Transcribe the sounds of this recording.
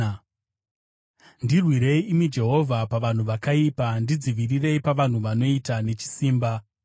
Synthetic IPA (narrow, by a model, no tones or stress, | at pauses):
ndirwiɾe̞iːmid͡ʒe̞ɦo̞vʱapaʋan̤uʋakaipandid͡ziʋirire̞ipaʋan̤uʋano̞itane̞t͡ʃi̥siːmba